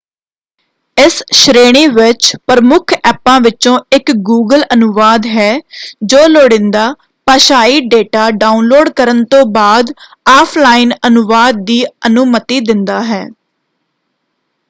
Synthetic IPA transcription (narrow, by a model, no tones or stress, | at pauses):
ɪsʃɾeːɽ̃iːʋɪt͡ʃpəɾəmʊkʰɛːpãːʋɪt͡ʃõːɪkɡuːɡələnʊʋaːd̪ɦɛːd͡ʒoːloːɽɪ̃nd̪aː | pəʃaːiːɖeːʈaːɖaːunloːɖkəɾənt̪õːbaːd̪ | aːpʰlaːɪnənʊʋaːd̪̚ːiːənʊmət̪iːd̪ɪnd̪aːɦɛː